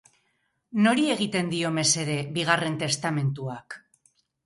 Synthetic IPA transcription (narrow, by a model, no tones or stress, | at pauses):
no̞ɾie̞ɣ̞it̪e̞nd̪io̞me̞se̞ðe̞βiɣ̞are̞nt̪e̞st̪ame̞nt̪uak